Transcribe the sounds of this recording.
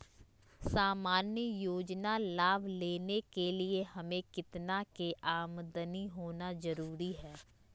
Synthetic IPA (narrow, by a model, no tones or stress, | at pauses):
saːmaːnjəjoːd͡ʒnalaːbʱleːnekelɪehəmẽkɪt̪nakeʔaːmd̪əniɦoːnazəɾuːɾiɦɛː